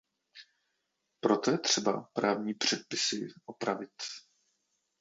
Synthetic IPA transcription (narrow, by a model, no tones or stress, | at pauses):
pɾo̞t̪ojɛt̪r̝̥ɛba̰pɾaːvɲiːpr̝̥ɛt̪̚pɪsɪʔopɾavɪt̪